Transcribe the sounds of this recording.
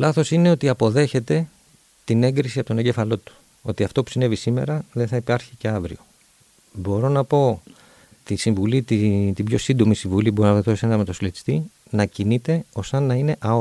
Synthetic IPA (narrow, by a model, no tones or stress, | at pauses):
lɐθo̞sine̞o̞t̪iɐpo̞ðe̞çe̞t̪e̞ | t̪ine̞ŋɡɾisiɐpot̪o̞ne̞ɲɟe̞fɐlo̞t̪u̥ | o̞̰t̪iɐft̪o̞pu̥sine̞visime̞̰ɾɐðeθɐipɐɾçice̞ɐvɾḭo̞ | bo̞ɾo̞nɐpo̞ | t̪isiɱvulit̪it̪ibʝo̞sind̪o̞misiɱvulibo̞ɾonɐtossenɐɐmet̪oslet̪ist̪i | nɐcinit̪e̞o̞sɐnːɐine̞ʔɐo